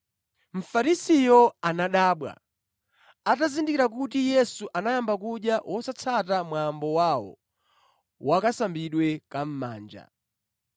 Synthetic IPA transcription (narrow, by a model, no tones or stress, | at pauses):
m̩faɾisijɔanaɗaːɓwa̰ | atazindikiɾak̬utijɛsuʔanajambakuɗjawʔɔsat͡sʰatamwambɔwawɔ̰ | wakasambiɗwɛkam̩ma̰ːnd͡ʒa̰